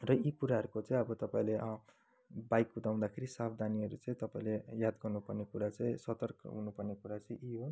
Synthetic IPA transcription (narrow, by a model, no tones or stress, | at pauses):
rʌikuɾaɦʌɾukot͡sʌĩʌbʌt̪ʌpaĩle | bajkːud̪aw̪̃d̪akʰeɾisabd̪ʱaniʌɾut͡sʌ̃ĩt̪ʌpaĩlejad̪ɡʌrnupʌrnekuɾat͡sʌ̃ĩsʌt̪ʌrkɦunupʌrnekuɾat͡sʌ̃ĩʔiɦo